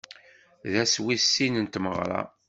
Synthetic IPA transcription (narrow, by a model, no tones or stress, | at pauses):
ðæswisːinənt̪məʁɾˤɑ̰